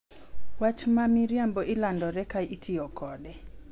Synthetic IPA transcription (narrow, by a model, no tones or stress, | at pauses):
wat͡ʃmamiɾjambɔʔilandɔɾɛkaitʰɪɔkʰɔdɛ